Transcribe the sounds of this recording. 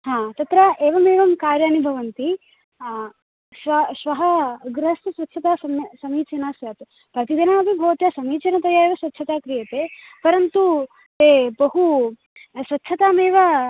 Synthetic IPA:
ɦaːt̪ɐt̪ɾɐʔeːʋɐmeːʋɐmkaːɾjaːnibʱɐʋɐnt̪i | ʃʋɐʃʋɐɦɐɡɾɦɐst̪ɐsʋɐtːʃʰɐt̪aːsɐmsɐmiːt͡ʃɐnaːsjaːt̪e | pɾɐt̪id̪ɐnaːɐb̪ʱibʱɐʋt̪jɐsɐmiːt͡ʃɐnɐt̪ɐjaeːʋɐsʋɐtːʰɐt̪aːkɾijɐt̪eːpɐɾɐnt̪u | t̪eːbɐɦu | sʋɐtːʃʰɐt̪aːmeːʋɐ

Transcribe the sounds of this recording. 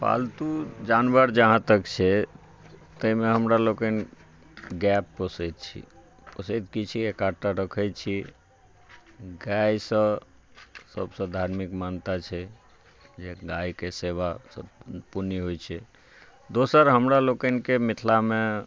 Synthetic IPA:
pa̰lt̪ud͡ʒanbəɾd͡ʒəɦãt̪əkt͡ʃʰɛ | t̪əimeɦəmɾalokən | ɡɛpːəsəjt̪̚t͡ʃʰḭ | pəsəjt̪kit͡ʃʰiekaʈaɾəkʰəj̪̚t͡ʃʰi | ɡajsə̃ | sə̰bsə̃d̪ʱaɾmikmant̪at͡ʃʰɛ | d͡ʒeɡajkeseβasə̰̃puniɦojt͡ʃʰɛ | d̪osəɾɦəmɾalokənkemit̪ʰlame

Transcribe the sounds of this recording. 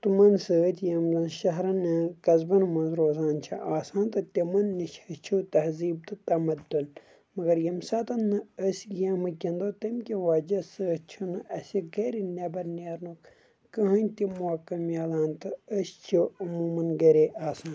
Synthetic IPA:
t̪umɐnsəːt̪ʰʲjɐmzɐnʃɐɦɾɐnɐkɐzbɐnɨmɐnzɾoːzaːnt͡ʃʰɐʔaːsãːnt̪ɨt̪ʲemɐnːit͡ʃʰɐt͡ʃʰut̪ɐhziːb̚t̪ɨt̪ɐmɐd̪ːun | mɐɡɐɾjɐmsɐt̪ɐnːɨɐsʲɡɐmɐkʲɐ̃nd̪oːt̪ɐmkʲiʋaːd͡ʒɐsəːt͡ʃʰunɨʔɐsiɡeːɾinʲebɐɾneːɾnuk | kɐɦɐ̃nʲt̪imaːkɐmjaːlaːnt̪ɨəsʲt͡ʃʰiɐmuːmɐnɡɐɾeʔaːsãːn

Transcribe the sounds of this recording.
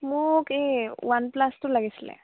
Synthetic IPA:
mukewanplasʈulaɡislḛ̃

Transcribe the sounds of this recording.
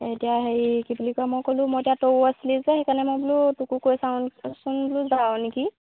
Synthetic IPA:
etijaɦejkibulikɔjamɔjkolũmɔetijatoaslizaɦekanɛmɔjbulutukukojsawnsunbuluzawniki

